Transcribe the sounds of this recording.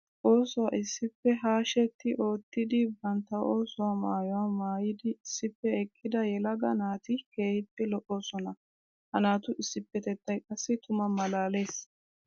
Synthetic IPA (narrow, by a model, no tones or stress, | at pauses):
ʔo̞ːsɔwaʔɪsːɪpːɛɦaːʃɛt̪ːɪʔo̞ːt̪ːɪd̪ɪbɐnt̪ːɐʔo̞ːsɔwamaːjɔwamaːjɪd̪ɪːsːɪpːɛɛkʼːɪd̪ɐjɛlɐɡɐnaːt̪ɪke̞ːhɪpːɛlɔʔoːsɔnɐ | hɐnaːt̪ʊʔɪsːɪpːɛt̪ɛt̪ːɐjkʼɐsːɪt̪ʰʊmɐmɐlaːle̞ːs